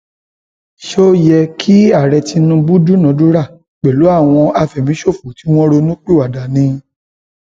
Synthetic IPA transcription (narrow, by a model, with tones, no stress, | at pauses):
ʃo˦jɛ˧kʰi˦a˦˨ɾɛ˧ti˧nũ˧bu˦du˦nã˨˦du˦ɾa˦˨ | k͡pɛ˨lu˨˦a˦˨w̃ɔ̃˧a˧fɛ˨mĩ˨˦ʃo˦˨fu˨ti˨˦w̃ɔ̃˦ɾo˧nũ˦k͡pi˦˨wa˨da˨nĩ˧